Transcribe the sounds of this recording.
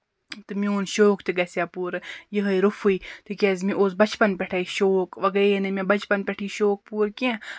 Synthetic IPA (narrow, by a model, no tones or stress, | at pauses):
t̪ɨmioːnʃoːkt̪ɨɡɐsʲjapuːɾjiɦəiɾufʰuit̪ɨkʲezmĩʔoːsbɐt͡ʃpɐnpʲɛʈʰaːiʃoːkʋɐɡɐenɨmẽbɐt͡ʃpɐnpʲɛʈʰiːʃoːk̚puːɾkẽ